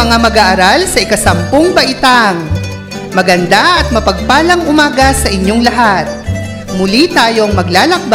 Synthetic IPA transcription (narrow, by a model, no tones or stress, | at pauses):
ɐŋamɐɡaːʔɐɾalsɐʔɪkɐsɐmpoŋbɐʔɪt̪aŋ | mɐɡɐnd̪aʔɐt̪̚mɐpɐɡ̚paːlɐŋʔʊmaːɡɐsɐʔɪɲjoŋlɐɦat̪̚ | mʊlit̪aːjo̞ŋmɐɡlaːlɐk̚b